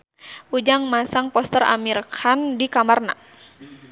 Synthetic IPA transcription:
ʔud͡ʒaŋmasaŋpɔst̪əra̰miɾkhandikamarna̰

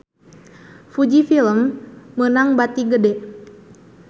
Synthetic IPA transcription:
fud͡ʒifiləmːənaŋbat̪iɡədɛ

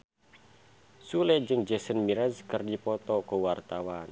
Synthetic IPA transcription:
sulɛd͡ʒɨŋd͡ʒɛsənmiɾazkərdipɔt̪ɔkɔwart̪awan

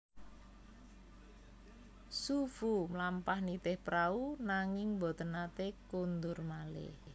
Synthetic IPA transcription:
sufumlampahnit̪ɪhpɾaunaŋɪŋbɔ̤t̪ənat̪ekund̪ʊrmalɪ̰h

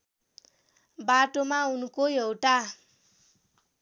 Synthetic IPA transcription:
baʈomaunkojewʈa

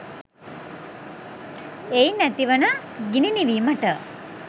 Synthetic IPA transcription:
ejnæt̪iʋənəɡininiʋiːməʈə

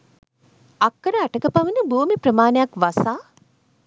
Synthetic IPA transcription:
akːəɾəaʈəkəpaʋənəbuːmiprəmaːnejakʋasaː

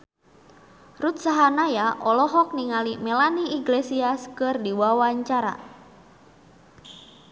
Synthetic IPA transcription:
rut̪̚saɦanajaʔɔlɔɦɔk̚niŋalimɛlaniːɡlesiaskɨrdiwawaɲt͡ʃaɾa̰

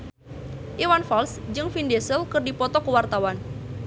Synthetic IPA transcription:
ʔiwanfalsd͡ʒɨŋfindɛsəlkərdipɔt̪ɔkəwart̪awan

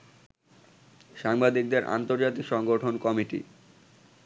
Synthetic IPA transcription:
ʃaŋbad̪ik̚d̪eɾʔa̰nt̪oɾd͡ʑat̪ikʃɔŋɡoʈʰonkɔmiʈḭ

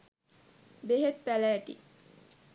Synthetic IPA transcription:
beɦet̪pælæːʈḭ

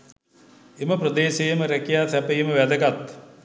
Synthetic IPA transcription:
eməprəd̪eːʃejməɾækijaːsæpəjeməʋæd̪əɡat̪

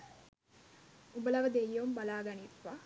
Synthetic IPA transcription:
ubəlɐʋəd̪ejːombalaːɡɐnit̪ʋa

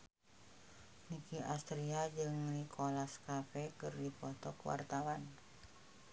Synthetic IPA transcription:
nikiʔast̪ɾiad͡ʒɨŋnikʰolaskafɛkɨrdipɔt̪ɔkwa̰rt̪awan

